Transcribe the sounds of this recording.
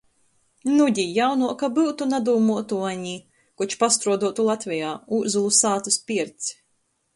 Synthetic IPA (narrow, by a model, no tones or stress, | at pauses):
nud̪ʲijawnuɔkabɨwt̪unad̪uːmuɔt̪uaɲi | kut͡ʃpast̪ɾuɔd̪uɔt̪ulˠat̪vɛjaːuzulˠusaːt̪uspʲiɛɾt̪s